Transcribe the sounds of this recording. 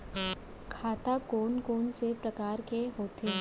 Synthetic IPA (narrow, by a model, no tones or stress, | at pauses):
kʰaːt̪akoːnkoːnsepɾɐkaːɾkeɦoːt̪e